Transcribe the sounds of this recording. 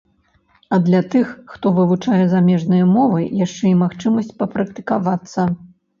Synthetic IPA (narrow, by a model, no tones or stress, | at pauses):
ɐd̪lʲɐt̪ɨxːt̪ɔvɨvut͡ʂajɛzamʲɛʐnɨjɐmɔvɨjaʂt͡ʂɛimaxt͡ʂɨmɐsʲt͡sʲpɐpɾɐkt̪ɨ̥kavat̪sːɐ